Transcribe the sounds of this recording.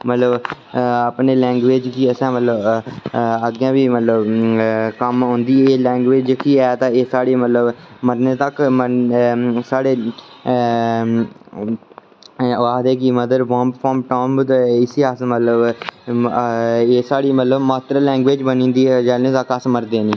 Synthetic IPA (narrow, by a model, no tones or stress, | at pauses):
mət̪ləb | apneːlɛ̃ːŋɡʋeːd͡ʒkiəsãːmət̪ləb | əɡjãːʋiːmət̪ləb | kəmɦõːnd̪iːeːlɛ̃ːŋɡʋeːd͡ʒkiːɛːt̪ãːeːsaːɽiːmət̪ləbməɾneːt̪əkmə | saːɽeː | aːd̪eːkiməd̪əɾʋãːmpfʰɔːmʈoːmt̪ɪsiasmət̪ləb | eːsaːɽiːmət̪ləbmaːt̪ɾaːlɛ̃ːŋɡʋeːd͡ʒbənĩːnd̪iːd͡ʒɛːlẽːt̪əkəsməɾd̪eːniː